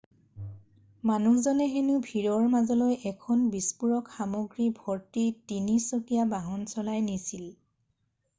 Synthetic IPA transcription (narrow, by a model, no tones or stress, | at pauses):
manukzɔnɛɦenubʱiɹɔɹmazɔlɔjʔɛkʰɔnbispuɹɔkxamoɡɹibʱɔɹtitinisɔkijabaɦɔnsɔlajnisil